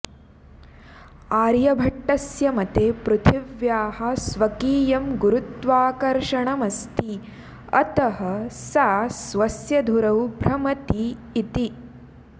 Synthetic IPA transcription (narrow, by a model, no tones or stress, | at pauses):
aːɾjɐbʱɐʈːɐsjɐmɐt̪eːpɾut̪ʰiʋjaːɦɐ̆sʋɐkiːjɐmɡuɾut̪ʋaːkɐɾʃɐɳɐmɐst̪i | ɐ̰t̪ɐɦɐsaːsʋɐsjɐd̪ʱuɾɐwbʱɾɐmɐt̪iːt̪i